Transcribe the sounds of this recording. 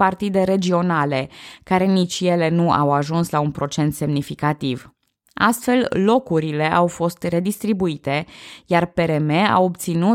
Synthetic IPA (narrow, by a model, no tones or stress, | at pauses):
part̪id̪e̞ɾe̞d͡ʒio̞nale̞kaɾe̞nit͡ʃʲje̞le̞nua̰waʒunslaunpɾo̞t͡ʃe̞nt̪se̞mnifikat̪iv | a̰st̪fe̞llo̞kuɾile̞ʔawfo̞st̪re̞d̪ist̪ɾibuit̪e̞jarpe̞ɾe̞mea̰wop̚t̪sinu